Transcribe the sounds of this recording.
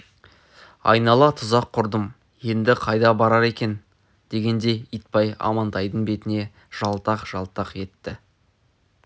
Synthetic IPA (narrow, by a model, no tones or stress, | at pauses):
ɑ̰jnɑlˠɑt̪ʰʊzɑqʰːʊɾd̪əm | je̞nd̪ɪqʰɑjd̪ɑbɑɾɑɾe̞kʲe̞n | d̪̥e̞ɡʲe̞nd̪e̞ijt̪̚pɑjɑ̰mɑnt̪ɑjd̪əɴbe̞t̪ɪne̞ | ʒ̥ɑlˠt̪ɑqʒ̥ɑlˠt̪ɑqe̞t̪ːɪ